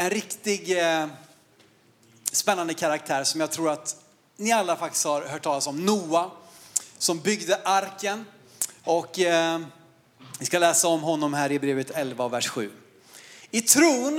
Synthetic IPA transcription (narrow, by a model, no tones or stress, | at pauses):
ɛnɾɪkt̪ɪɡ | spɛnːand̪əkʰaɾak̚t̪ʰæːɾsɔmjɑːɡ̚t̪ʰɾuːɾat̪ | nɪalːafak̚t̪ɪ̥st̪haɾhœːʈʰːɑːlasɔmnuːa | sɔmbʏɡd̪əʔaɾkən | ɔkː | ɪskalɛːsaɔmɦɔnːɔmɦæːɾɪbɾeːvət̪ʰɛlvaɔvæʂɧʉ̟̰ː | ɪt̪ʰɾuːn